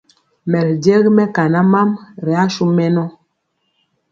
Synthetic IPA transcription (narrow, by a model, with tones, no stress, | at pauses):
mɛ˨ɾdɛ˦ɣmɛ˦ka˨na˦ma˦mɾɛ˨a˦ʃu˦mɛ˦nɔ˦